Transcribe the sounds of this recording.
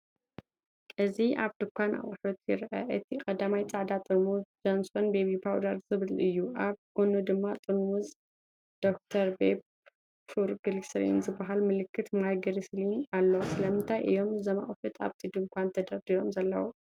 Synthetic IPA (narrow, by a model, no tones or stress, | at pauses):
ʔɨziʔaβd̪ɨkʷʰanʔa̰ʔʼɨħut̪jɪɾʔɐ̰ʔɨt̪ʰikʼɐd̪amajt͡sʼaʕd̪at̪ʼɨmuzd͡ʒansonbeβibʰawd̪aɾzɨβɨlɨjːuʔaβɡ̥onud̪ɨmːat̪ʼɨnwuz | d̪̥o̞k̚t̪ʰɐɾbeb | fuɾɡɨlsɾḭnzɨbːaɦalmɨlɨkʰːɨt̪majɡɐɾislinalːɐwsɨlɐmɨnt̪ʰajʔɨ̰jo̞mzɐma̰χʼfɨt̪ʰa̰βt̪ʰid̪ɨŋkʷʰant̪ʰɐd̪ɐɾd̪ijomzɐlːɐ̰wu